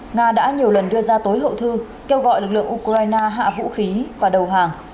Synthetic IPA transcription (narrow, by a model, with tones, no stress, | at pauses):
ŋaː˧ɗa̰ː˧˥ɲi˨˩əwlə˨˩nɗɨ˧əzaː˧t̪o˨˦jɦə̰˧˨wt̪ʰɨ˧ | ke˧wɣɔ̰˧˨jlɨ˨˩k̚lɨ̰˧˨əŋʔu˧kzaː˧jnaː˧ɦa̰ː˧˨vṵ˧˥xi˨˦vaː˨˩ɗə˨˩wɦaː˨˩ŋ